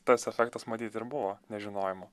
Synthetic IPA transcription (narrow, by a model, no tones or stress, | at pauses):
t̪ɐsɛfʲɛkt̪ɐsmɐt̪ʲiːt̪ɪɾbʊʋoːnʲɛʒʲɪnoːjɪmʊ